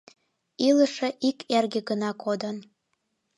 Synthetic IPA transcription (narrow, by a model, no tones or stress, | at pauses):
iləʃeʔikʰerɣĕɣənɑkod̪ən